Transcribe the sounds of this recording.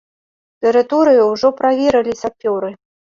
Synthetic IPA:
t̪ɨɾɨt̪ɔɾɨjiwʐɔpɾavʲeɾɨlʲisʲafʲɔɾɨ

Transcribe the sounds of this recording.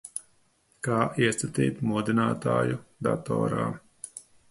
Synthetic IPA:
kaːʔiɛst̪at̪ḭːt̪mud̪inaːt̪a̰ːjud̪a̰t̪ɔ̰ːɾa̰ː

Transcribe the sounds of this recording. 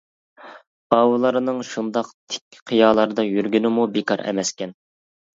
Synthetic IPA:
ɑːwulˠɑɾɨnɨŋʃund̪ɑqt̪ʰɪ̥kʲːɪ̥qʰijɑːlˠɑɾɨd̪ɑjyɾɡʲynɪmubekʰɑ̰ɾɛ̰mɛskʲɛn

